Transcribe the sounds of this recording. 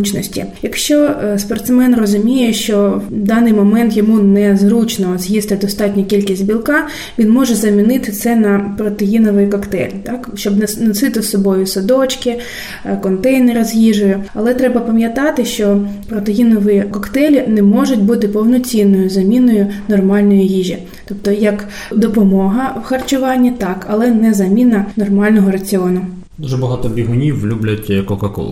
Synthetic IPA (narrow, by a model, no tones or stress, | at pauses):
ut͡ʃnɔsʲtʲḭjɐkʃt͡ʃɔspɔrt̪smɛnrɔzʊmʲijɛʃt͡ʃɔd̪ɑnɪjmɔmɛnt̪jɔmunɛzrut͡ʃnɔzjist̪ɪd̪ɔst̪ɑtʲnʲɐkʲilʲkʲisʲtʲbʲilˠkɑ | ʋʲinmɔʒɛzɐmʲinɪt̪ɪt̪sɛnɐpɾɔt̪ejinɔʋɪjkɔkt̪ɛ̰lʲt̪ɑkʃt͡ʃɔbnɐnɐsɪt̪ɪsɔbɔjʊsɔd̪ɔt͡ʃkɪ | kɔnt̪ɛjnɪɾɔzʲjiʒʊjɛɐlˠɛt̪ɾɛbɐpɐmʲjɐt̪ɑt̪ɪʃt͡ʃɔpɾɔt̪ejinɔʋɪjikɔkt̪ɛlʲinɛmɔʐʊt̚ʲbut̪ɪpɔwnɔt͡sʲinːɔjʊzɐmʲinɔjʊnɔrmɑlʲnɔjijiʒʲi | t̪ɔpt̪ɔjɐk | d̪ɔpɔmɔɦɐwxɐrt͡ʃʊʋɑnʲːit̪ɑkɐlˠɛnɛzɐmʲinɐnɔrmɑlʲnɔɦɔɾɐt͡sʲɪɔnʊ | d̪uʒɛbɐɦɑt̪ɔbʲiɦʊnʲiwːlʲublʲɐtʲkɔkɐkɔ̰lˠ